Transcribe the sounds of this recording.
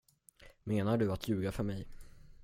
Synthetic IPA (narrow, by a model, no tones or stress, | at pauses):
meːnaɖɵat̪ʰjʉ̟ːɡafœɾmɛj